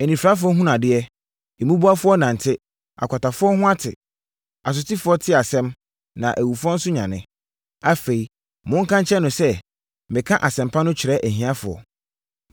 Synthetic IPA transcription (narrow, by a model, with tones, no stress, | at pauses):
ɛ˨nĩ˨fɾa˦f̬ʊ˦ɔ˦ɦũ˦nã˨dɪ˦ɛ˦ | e˨mũ˦bu˦a˦fʊ˦ɔ˦nã˨n̩˨tʰɪ˦ | a̰˨kʷa˨ta˨fʊ˦ɔ˦ɦʊ̃˦a˦tʰɪ̰˨ | a˨s̬ʊ˨tʰi˦fʊ˨˦ɔ˦tʰɪ˦a˨sɛ̃˦m | nã̰˨ʔæ˨wu˨fʊ˦ɔ˦n̩˦sʊ˦ɲã˨nɪ̰̃˦ | a˦fe˨i˨ | mʊ̃˦ŋ̩˦kʰã˦ɲt͡ɕʰɛ˦nʊ̃˨sɛ˦ | mɪ̃˨kʰã˦ʔa˨sɛ̃˨mpʰa˦nʊ̃˦t͡ɕʰɪ˨ɾɛ˦ʔæ˨ɦĩ˦a˦fʊ˨ɔ̰˨